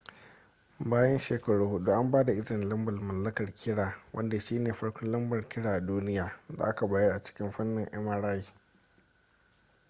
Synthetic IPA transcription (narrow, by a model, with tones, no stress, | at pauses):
baː˦jɐ˦nʃeː˨kɐ˨ɽuː˦hʊ˦ɗu˦ʔa˦mbaː˦da˨ʔɪ˦zɪ˨nlɐ˦mbɐ˨lmɐ˨lːɐ˦kɐ˨rkʲɪ˦ɽaː˨wʔɐ̰˦nda˨ʃiː˦neː˨ɸɐ˦ɽkʷɔ˦nlɐ˦mbɐ˨rkʲɪ˦ɽaː˨ʔa˨duː˦nɪ˦jaː˨˦da̰˨ʔa˦ka˨baː˨jɐ˦ʔa˨t͡ʃɪ̥˦kʲɪ˦mɸɐ˦nːɪ˨ŋʔɐ˦ma˦ɽaː˦jiː˨